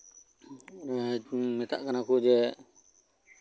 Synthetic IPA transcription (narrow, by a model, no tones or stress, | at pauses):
mɛt̪aʔkanakud͡ʒɛ